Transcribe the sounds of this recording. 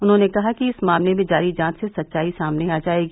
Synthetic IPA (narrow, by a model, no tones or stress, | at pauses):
ʊnɦõːnekɐɦakiɪsmaːmlemẽd͡ʒaːɾid͡ʒãːt͡ʃ̪sesɐtːʃaːisaːmneaːd͡ʒaːeːɡi